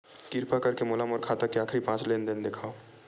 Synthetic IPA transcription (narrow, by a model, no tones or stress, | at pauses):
kɪɾpakɐɾkemoːlaːmɔːɾkʰaːt̪akeaːkʰɾipãːt͡ʃleːnd̪ɪnd̪eːkʰaːo